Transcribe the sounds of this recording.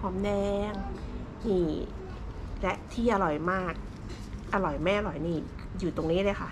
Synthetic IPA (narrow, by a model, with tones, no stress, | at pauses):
pʰɔː˧˦˥mdɛː˧ŋ | niː˧˩ | lɛ˦˥ʔt̪ʰiː˥˩ʔa˧ɾɔ˨˩jmaː˥˩k̚ | ʔa˧ɾɔ˨˩jmɛː˥˩ʔa˧ɾɔ˨˩jniː˧˥˩ | juː˨˩t̪o˧ŋniː˦˥lɤː˧˩jkʰa˥˩